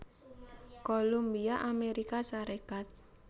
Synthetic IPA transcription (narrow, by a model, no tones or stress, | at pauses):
kolumbiaʔameɾikasaɾekat̪̚